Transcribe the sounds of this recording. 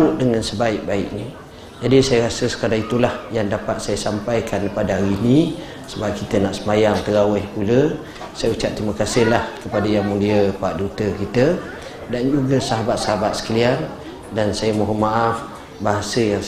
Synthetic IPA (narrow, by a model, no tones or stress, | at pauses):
ʊʔ̚dəŋansəbaɪk̚baɪʔni | d͡ʒadisajaɾasəsə̥kaɾaŋit̪ulahjaŋdapat̪̚sajasampajkanpadaɦaɾini | səbap̚kit̪ənaʔsəmajaŋt̪əɾawɪhpulə | sajaut͡ʃaʔt̪ɾiməkasɪhlahkəpadajaŋmũliəpaaʔ̚dut̪əkit̪ə | dand͡ʒuɡəsaɦabat̪̚saɦabat̪̚sə̥kəlian | dansajəmoɦəmaʔaf | baɦasəjaŋ